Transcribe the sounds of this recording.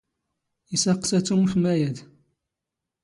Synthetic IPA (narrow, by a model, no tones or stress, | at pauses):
isæqsæt͡sːumuθmæjæd̪